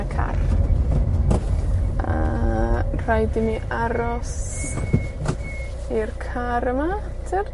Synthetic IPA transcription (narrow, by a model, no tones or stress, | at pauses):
əkʰa̰r | ə̰ | r̥ajdɪmiʔaɾɔs | irkʰaɾəma | tʰər